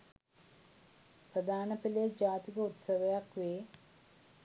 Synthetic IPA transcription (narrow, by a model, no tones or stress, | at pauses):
prəd̪ʱaːnɐpiled͡ʒaːt̪ikɐut̪sɐʋɐjakʋeː